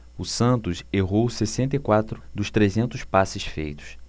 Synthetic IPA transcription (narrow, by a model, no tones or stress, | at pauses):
ʊsɐ̃nt̪ʊseɦowsesẽnt̪ɐikwat̪ɾʊd̪ʊʃt̪ɾezẽnt̪ʊspasɪʃfḛjt̪ʊ̥s